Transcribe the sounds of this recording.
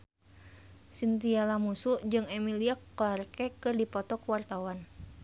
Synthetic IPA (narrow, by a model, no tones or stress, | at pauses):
sint̪ialamusud͡ʒɨŋɛmiliakːɔlarkɛkɨrdipɔt̪ɔkuwart̪awan